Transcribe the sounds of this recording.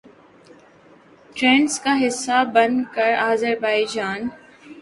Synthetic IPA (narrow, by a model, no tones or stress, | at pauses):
ʈɾẽːɳʈskaɦɪsːabɐnkəɾaːzəɾbaːɪd͡ʒaːn